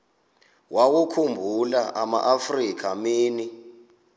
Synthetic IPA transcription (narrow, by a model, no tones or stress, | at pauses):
wawukʰumbʱulaʔama̰ʔafrikʰamiːni